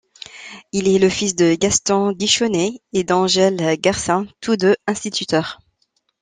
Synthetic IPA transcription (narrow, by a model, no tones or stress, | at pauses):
ilɛləfisd̪əɡast̪ɑ̃ɡiʃɔneed̪ɑ̃ʒɛlɡaʁsɛ̃t̪ʰud̪øɛ̃st̪it̪ʰyt̪œːʁ